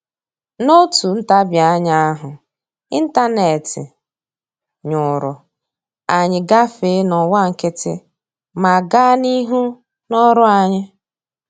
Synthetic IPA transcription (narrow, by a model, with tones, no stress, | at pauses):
no˦tu˨n̩˦ta˦bja˨˦ɲa˦a˦ɦʊ˨ | i˦n̩˦ta˦ne˨tɪ̰˨ | ɲʊ˨ɾʊ˨ | a˨ɲɪ˨ɡa˦fe˨˦nɔ˨wa˦˨ŋ̩˨ke˦tɪ̰˦ | ma˨ɡa˦ni˦ɦu˦ | nɔ˦ɾʊ˦a˨ɲɪ˦